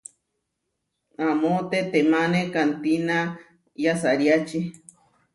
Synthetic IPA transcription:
amot̪et̪emãnẽkant̪ina | jasaɾjat͡ʃi

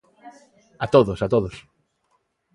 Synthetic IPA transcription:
at̪oðosat̪oðos

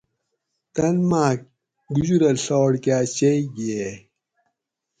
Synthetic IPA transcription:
t̪ɐnmaːk̚ | ɡud͡ʑuɾɐlɬoːɽkaːt͡ɕeiɡe

